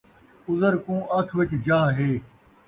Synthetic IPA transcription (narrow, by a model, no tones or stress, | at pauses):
ʊzəɾkũːʔɐk̪ʰʋɪt͡ʃd͡ʒaːɦɦeː